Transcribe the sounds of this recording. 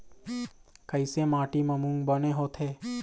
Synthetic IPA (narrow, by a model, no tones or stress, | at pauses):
kəɪsemaːʈiməmũŋɡbəneɦot̪ʰeː